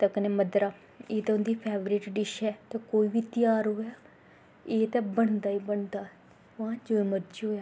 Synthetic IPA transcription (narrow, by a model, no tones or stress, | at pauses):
t̪əkəneːməd̪ɾaː | eːt̪ɛʊnd̪iːpʰɛːʋɾiːʈɖɪʃɛːt̪ɛːkoːiːʋiːt̪ɪjaːɾɦoːjaː | eːt̪ɛːbəɳ̃d̪aːiːbəɳd̪aː | ʋãːd͡ʒoːeməɾd͡ʒɦoːjaː